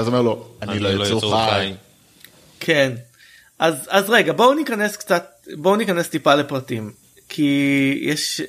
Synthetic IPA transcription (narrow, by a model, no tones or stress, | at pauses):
azomeʁlo̞annilojat͡sua | kʰen | ʔazazʁeɡabonikane̞skt͡sat̪̚bonikanest̪ipalepʁɐtim | kʰijɛʃ